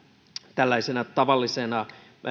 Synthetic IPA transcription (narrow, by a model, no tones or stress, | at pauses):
t̪ælːæisenæt̪ɑʋɑlːisenɑ